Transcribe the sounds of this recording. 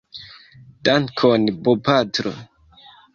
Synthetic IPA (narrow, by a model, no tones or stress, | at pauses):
d̥ankʰonbopatɾo̰